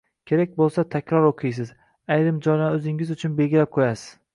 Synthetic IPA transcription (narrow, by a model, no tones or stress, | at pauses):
kʲʰe̞ɾak̚ʲbolˠsat̪ʰakʲʰɾɒɾoqʰɨjs̬ɪz | ajɾɪmd͡ʒɒjnaɵzɪŋɪzʊt͡ʃʰʊnbe̞lɡʲɪlap̚qʰojasɪz̥